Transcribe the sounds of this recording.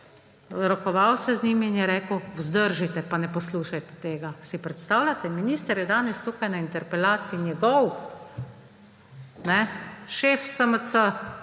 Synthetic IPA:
ɾɔkɔʋawsɛzniːmiːnjɛɾɛːkəwwzd̪əɾʒit̪ɛpanɛpɔsluːʃajt̪ɛ̥t̪eːɡasipɾɛt̪st̪aːwlʲat̪ɛminiːst̪əɾjɛd̪aːnɛst̪uːkajnaint̪ɛɾpɛlaːt̪siinjɛɡɔw | nɛʃeːfsəməsə

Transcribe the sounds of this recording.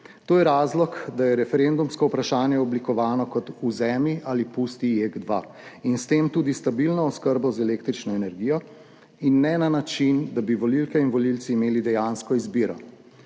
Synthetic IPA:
t̪oːjɛɾaːzlɔkd̪ajɛɾɛfɛɾend̪umskɔupɾaʃaːnjɛɔblikɔʋaːnɔkɔt̪uzɛːmiʔaːlipuːst̪ijeɡd̪ʋa | inst̪eːmt̪uːd̪ist̪abilnɔːskəɾbɔzɛleːk̚t̪ɾit͡ʃnɔɛnɛɾɡijɔ | inːɛnanat͡ʃind̪abiʋɔlilkɛinʋɔlilt̪siːmeːlid̪ɛjaːnskɔizbiːɾɔ̰

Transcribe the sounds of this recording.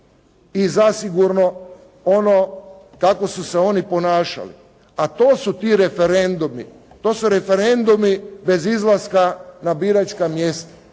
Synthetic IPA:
izasiɡuɾno̞ | ono | kako̞suseo̞nipo̞naːʃa̰lḭ | at̪oːsut̪iːɾe̞fe̞ɾend̪umḭ | t̪o̞ːsuɾefe̞ɾe̞nd̪umibe̞zizlˠaskanabiːɾat͡ʃkamjest̪ḁ

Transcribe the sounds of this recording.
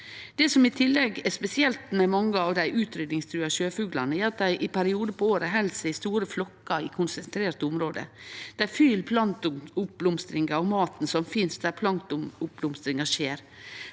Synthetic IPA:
d̪̥ɛsɔmɪt̪ʰɪlːɛɡɛspɛsɪɛlt̪mɛmɑŋːəɑʋd̪æɪʔʉːt̪ɾʏd̪nɪŋst̪ʰɾʉːɑʃøːfʉːɡlɑnəɛɾɑt̪̚d̪æɪʔɪpʰæɾɪuːd̪əpɔoːɾəɦɛlsəɪst̪uːɾəflɔkːɑɪkʰʊnsɛnt̪ʰɾeːɾʈ̪əʊmɾoːd̪ə̰d̪̥æfylpʰlɑnt̪ʊʊp̚blʊmst̪ɾɪŋɑɾɔmɑːt̪n̩sɔmfɪnsd̪æɾpʰlɑnt̪ʊʊp̚blʊmst̪ɾɪŋɑʂeːɾ

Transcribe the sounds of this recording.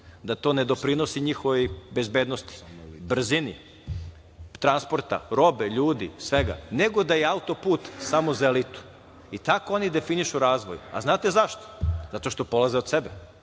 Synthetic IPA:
d̪at̪o̞ːne̞d̪o̞pɾinosiɲixoʋbe̞zbeːd̪nost̪i̥br̩zini | t̪ɾanspoɾt̪a̰ɾo̞beʎuːd̪isʋeɡa̰ne̞ɡo̞d̪ajeaut̪o̞puːt̪samozaelit̪u̥ | it̪akoo̞nid̪e̞finiʃuɾaːzʋoja̰znaːt̪e̞zaʃt̪o̥zat̪oʃt̪o̞po̞lˠazeod̪sebe

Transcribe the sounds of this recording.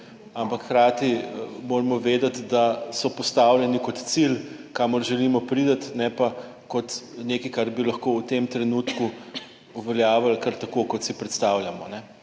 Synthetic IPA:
ampɐkxɾaːt̪imoːɾmɔʋeːd̪ɐt̪d̪asɔpɔst̪awljɛnikɔt̪t̪silkamɔɾʒɛlimɔpɾiːd̪ət̪nɛpa | kɔt̪neːkikaɾbilɐxkowt̪emt̪ɾɛnuːt̪ku | uʋɛljaːʋalkɐɾt̪ɐkokɔt̪sipɾɛt̪st̪aːwljamɔnɛ

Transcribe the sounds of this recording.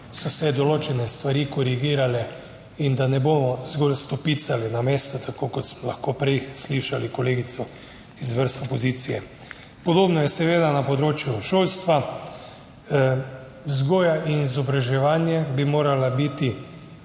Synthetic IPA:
sɔsɛd̪ɔloːt͡ʃɛnɛst̪ʋaɾikɔɾiɡiːɾalɛ | ind̪anɛboːmɔzɡolst̪ɔpit̪salinameːst̪ɔt̪ʰakokɔt̪smɔlaxkoːpɾɛjsliʃalikɔleːɡisɔ | izʋəɾst̪ɔpɔziːt̪sijɛ | pɔd̪oːbnɔjɛsɛʋeːd̪anapɔd̪ɾoːt͡ʃjuʃoːlst̪ʋa | zɡoːjaʔinizɔbɾaʒɛʋanjɛbimoːɾalabit̪i

